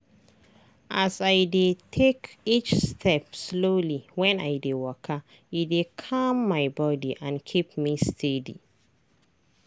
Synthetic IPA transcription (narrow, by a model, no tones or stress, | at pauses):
ʔasaɪdetʰekit͡ʃstʰɛpsloliwɛ̃na̰jdewɔkʰa | idekʰamːaɪbɔdiʔãnkʰip̚mistʰedḭ